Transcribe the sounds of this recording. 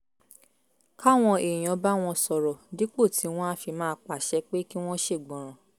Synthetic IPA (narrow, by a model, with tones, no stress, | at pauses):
ka˦˨w̃ɔ̃˧ʔe˨j̃ɔ̃˨˦ba˦w̃ɔ̃˧sɔ˨ɾɔ˨di˨˦k͡po˦˨tʰi˨˦w̃ɔ̃˦a˦fi˧mãː˦k͡pa˨ʃɛ˨˦k͡pe˦ki˦w̃ɔ̃˦ʃe˦˨ɡ͡bɔ̃˨ɾ̃ã˨